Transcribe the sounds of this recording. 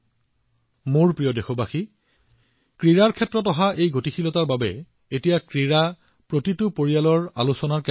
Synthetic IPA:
moɹpɹijɔdexɔbaxi | kɹiɹaɹkʰɛtːɹɔtɔɦaʔejɡotixʰilɔtaɹbabɛ̰ | etijakɹiɹa | pɹotitʊpoɹijalɔɹa̰lusɔnaɹkɛ

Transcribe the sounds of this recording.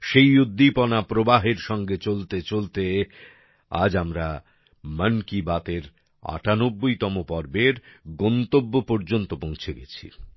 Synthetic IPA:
ʃejud̪ʱːipɔnapɾobaɦeɾʃɔŋɡet͡ɕolt̪et͡ɕolt̪e | a̰d͡ʑamɾa | mənkibat̪eɾ | a̰ʈanobːojt̪ɔmopɔɾbeɾɡɔnt̪obːopɔɾd͡ʑont̪opõŋt͡ɕʰeɡɛt͡ɕʰḭ

